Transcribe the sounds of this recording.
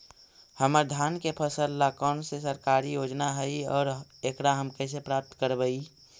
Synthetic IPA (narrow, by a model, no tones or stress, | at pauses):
həməɾd̪ʱaːnkepʰəsəlːakɔːnsesəɾkaːɾijoːd͡ʒnaɦəiɔːɾekɾaɦəmkɛːs̬epɾaːp̚t̪kəɾbəi